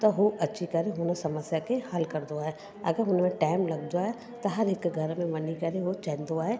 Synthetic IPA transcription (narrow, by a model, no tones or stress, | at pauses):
t̪ɐɦuʔɐtːʃʰikɐɾeɦʊnəsɐməsjakʰehɐlkɐɾd̪oaːɦe | ɐ̰ɡəɾɦʊnmẽʈaːɪmlɐɡd̪oaːɦe | t̪ɐɦɐɾɦɪkɡʱɐɾmẽʋɐnikɐɾeɦot͡ʃɐ̃ːɪ̃n̆d̪oaːɦe